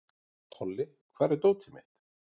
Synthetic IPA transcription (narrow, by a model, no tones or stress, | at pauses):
t̪ʰɔlːɪ | kʰvaːɾɪɾt̪owt̪ʰɪmɪht̪